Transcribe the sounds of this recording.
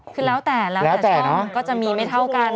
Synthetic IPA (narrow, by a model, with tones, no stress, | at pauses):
kʰɯː˧lɛː˦˥wt̪ɛː˨˩la˧lɛː˦˥t̪ɛː˨˩nɔ˦˥kɔː˥˩t͡ɕa˨˩ʔmiː˧ma˥˩jt̪ʰa˥˩wka˧n